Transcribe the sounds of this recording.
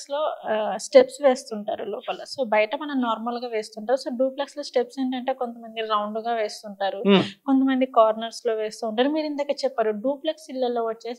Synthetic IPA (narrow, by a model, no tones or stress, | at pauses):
slo̞ːsʈepsʋe̞ːst̪uɳʈaːɾulɔːpɐlɐso̞ːbɐjɐʈɐmɐnɐmnaːɾmɐlɡaːʋe̞ːst̪uɳʈaːɾuso̞ːɖuːplɐkslo̞ːsʈepseɳʈ̬ɐɳʈe̞ːko̞nt̪ɐmɐnd̪iɾɐwɳɖuɡaːʋe̞ːst̪uɳʈaːɾukont̪̬ɐmɐnd̪ikaːɾnɐɾslo̞ːʋe̞ːst̪uːɳʈaːɾumiːɾind̪aːkːɐt͡ʃɛpːaːɾuɖuːplɐksilːɐlo̞ːʋɐt͡ʃːe̞ːs